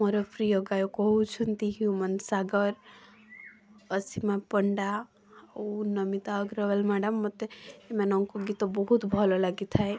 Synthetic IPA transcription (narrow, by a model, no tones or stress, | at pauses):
moɾɔpɾijoɡajokɔɦut͡ʃʰunt̪iɦijumənsaɡəɾ | əsimapəɳɖa | nəmit̪aəɡɾəʋəlmɛɖəmːət̪eemɛnɔŋkoɡit̪obɔɦut̪bʱɔlolaɡit̪ʰaj